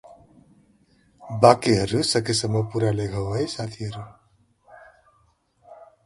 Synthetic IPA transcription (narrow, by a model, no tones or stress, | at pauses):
bakiɦʌɾusəkesəməpuɾaleɡʱəwəjsat̪ʰiɦʌɾu